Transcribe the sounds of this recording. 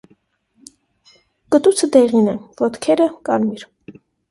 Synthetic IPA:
kət̪ut͡sʰəd̪ɛʁinɛvɔt̪kʰɛɾəkɑɾmiɾ

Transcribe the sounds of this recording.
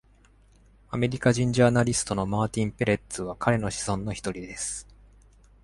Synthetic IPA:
ame̞ɾʲikaʑĩɲ̟d͡ʑaːnaɾʲisɨ̥t̪o̞no̞maːt̪ʲĩmpe̞ɾe̞t̪ːɨβakʰaɾe̞no̞ɕi̥zõ̞nːo̞çi̥t̪o̞ɾʲid̪e̞sɨ̥

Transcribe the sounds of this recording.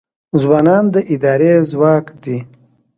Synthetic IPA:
zwɑːnɑːnd̪əʔɪd̪ɑːɾezwɑːkd̪i

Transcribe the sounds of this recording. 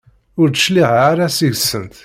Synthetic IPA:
ʊɾt̪ə̥ʃliʁaɾæsiʝəsːənt̪

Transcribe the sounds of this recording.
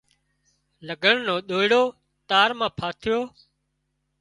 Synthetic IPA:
ləɡʱəɳnoːɗ̪oːɪɽoː | t̪aːɾmãːpʰaːt̪ʰɪjoː

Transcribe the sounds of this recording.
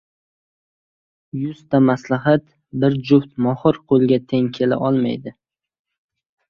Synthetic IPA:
jʊst̪amaslaɦat̪ | bɪɾd͡ʒʊwt̪mɒhɨɾqʰolˠɡʲat̪ʰeŋkʲʰe̞la̰ʔɒlˠma̰jd̪ɪ

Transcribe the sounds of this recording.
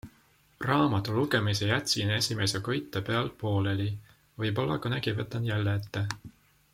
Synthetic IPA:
rɑːmɑt̪ːˑuluɡe̞misejæt̪ʲsineesʲimesekojt̪ːˑɑpe̞ɑlpo̞ːleli | vɤjpolːɑkɑnækivɤt̪ːˑɑnjælːet̪ːe

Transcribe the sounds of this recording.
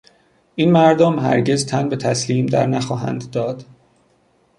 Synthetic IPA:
ʔiːnmæɾd̪omɦæ̰ɾɟezt̪ʰænbe̞t̪ʰæsliːmd̪æ̰ɾnæxɒːɦæ̰nd̪ːɒːd̪

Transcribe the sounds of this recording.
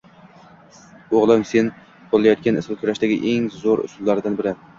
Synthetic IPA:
oʁlˠɪmse̞n | qʰolˠlajɒt̪kʲanɪsɪlˠkʰʲʊɾaʃd̪aɡʲɪʔeŋzoɾʊ̰sʊlˠːaɾd̪anbɪɾɪ

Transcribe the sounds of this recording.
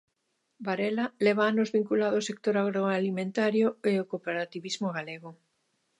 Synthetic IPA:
baɾelaleβ̞aanozβiŋkulaðosek̚t̪oɾaɣɾoalimẽnt̪aɾjoeokopeɾat̪iβizmoɣ̞aleɣ̞o

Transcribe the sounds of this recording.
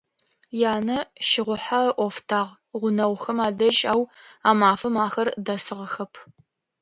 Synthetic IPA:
jaːnɐʃɪʁʷʊħaʔʷɔftʰaːʁ | ʁʷʊnɐwxɐmaːdɐʒʼaːwaːmaːfɐmaːxɐrdɐsɨʁəxɐpʰ

